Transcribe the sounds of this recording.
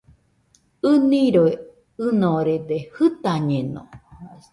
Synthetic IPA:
ɨnĩɾoe | ɨnõɾed̪ehɨt̪aɲẽnõ̰

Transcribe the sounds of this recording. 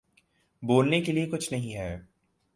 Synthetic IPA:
boːlnekeliekʊt͡ʃʰnɐɦĩɦɛː

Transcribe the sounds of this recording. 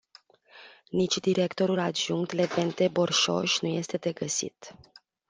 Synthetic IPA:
nit͡ʃʲd̪iɾe̞kt̪o̞ɾulad̪ʒuŋk̚t̪le̞ve̞nt̪ebo̞rʃo̰ʃʲnuje̞st̪e̞d̪e̞ɡəsḭt̪

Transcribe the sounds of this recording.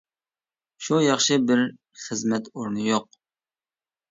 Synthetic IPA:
ʃujɑχʃɨbɪɾ | χəzmɛt̪oɾnɨjoq̚

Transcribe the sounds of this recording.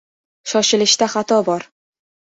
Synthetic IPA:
ʃɒʃɪlɪʃt̪aχat̪ʰɒbɒɾ

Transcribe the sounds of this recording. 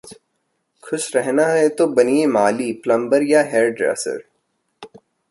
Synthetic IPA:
kʰʊʃɾɛɦnaɦɛt̪obɐniemaːliplɐ̃mbəɾjaɦɛːɾɖɾɛ̰ːsə̰ɾ

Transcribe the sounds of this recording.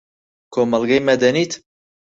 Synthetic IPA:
kʰoːmɑlɡɐjmɛd̪ɛniːt̪

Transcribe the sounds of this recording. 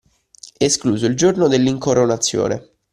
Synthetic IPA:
eskluːzoild͡ʒornod̪elːiŋkoɾonat̪sːjo̰ːnḛ

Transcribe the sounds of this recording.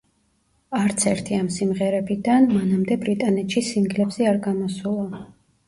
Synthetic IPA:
aɾt̪sʰɛɾt̪ʰiamsimʁɛɾɛbid̪anmanamd̪ɛbɾit̪ʼanɛt̪ʃisiŋɡlɛbziaɾɡamɔsulˠa

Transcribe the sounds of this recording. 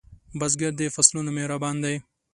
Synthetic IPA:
bazɡaɾd̪efaslunameɾabɑːnd̪aj

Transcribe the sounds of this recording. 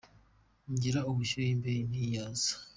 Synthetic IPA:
ɲɟiɾauβuʃuimbeinijaːz̥ḁ

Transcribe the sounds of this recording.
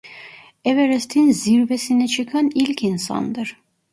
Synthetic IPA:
ɛvɛɾɛst̪ʰinziɾvɛsinit͡ʃʰɯkʰanilʲcʰinsɑ̰nd̪ɯɾ̥

